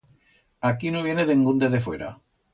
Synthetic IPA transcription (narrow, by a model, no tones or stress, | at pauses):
akinoβjeneðeŋɡund̪eðefweɾa̰